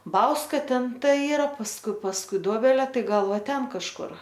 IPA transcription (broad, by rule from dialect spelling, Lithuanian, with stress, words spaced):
ˈbɐʊskɐ ˈtʲɛn ˈtɐ ˈiːrɐ pɐsˈkʊɪ pɐsˈkʊɪ ˈdoːbʲɛlʲeː ˈtɐɪ ˈɡɐlˠ ˈʋɐ ˈtʲɛn kɐʃˈkʊr